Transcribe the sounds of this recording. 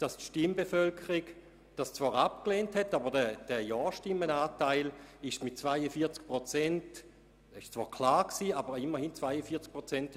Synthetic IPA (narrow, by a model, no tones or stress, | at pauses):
d̥astʃtimbefœlkʰəʁiɡ | d̥ast͡sv̥aːʁap̚kleːnthɛtːabəʁdɛd̥ɛjɔːʃtɪmːənaːtaɪlɪʃmɪt̚t͡svaɪəfiːɐt͡sk̚pʁot͡sɛnt | ɪʃt͡sv̥a̰ːɐkʰlaːʁksiːabəʁɪmːəʁhint͡sv̥aɪəfiːɐt͡sk̚pʁot͡sɛnt